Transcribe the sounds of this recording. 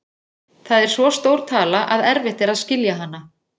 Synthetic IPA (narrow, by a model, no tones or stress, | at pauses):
θaðɛɾ̥svɔst̪oːwɾ̥t̪ʰaːlaʔaðɛɾvɪht̪ɪɾaðscɪljaɦanːa